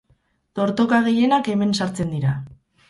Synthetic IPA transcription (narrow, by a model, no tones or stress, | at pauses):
t̪o̞ɾt̪o̞kaɣ̞e̞je̞nake̞me̞nsaɾt͡se̞nd̪iɾa